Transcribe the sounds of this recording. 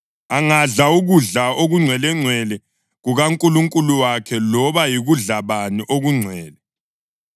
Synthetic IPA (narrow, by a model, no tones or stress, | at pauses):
aŋaɮauɣuɮaoɣuŋ͡ǀʱwɛlɛŋ͡ǀʱwɛlɛ | ɣuɣaŋkʼuluŋkʼuluwakʰɛlɔβajiɣuɮaβaniʔoɣuŋ͡ǀʱwɛːlɛ